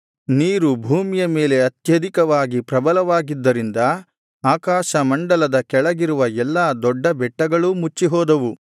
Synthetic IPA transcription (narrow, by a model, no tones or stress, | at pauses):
niːɾubʱuːmijɐme̞ːle̞ɐt̪jɐd̪ʱikɐʋaːɡipɾɐbɐlɐʋaːɡid̪ːɐɾind̪ɐ | aːkaːʃɐmɐɳɖɐlɐd̪ɐkɛɭɐɡiɾuʋɐɛlːaːd̪ɔɖːɐbɛʈːɐɡɐɭumut͡ʃːiɦɔːd̪ɐʋu